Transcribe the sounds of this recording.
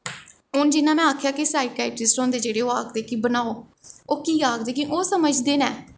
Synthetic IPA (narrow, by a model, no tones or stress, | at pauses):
ɦʊnd͡ʒɪnãːmɛ̃ːaːkʰjaːkisaːiʈaːɪʈɪsʈɔ̃ːnd̪eːd͡ʒeːɽeːoːaːkd̪eːkiːbənaːoː | oːkiːaːkd̪eːkĩʔoːsəməd͡ʒd̪eːnɛː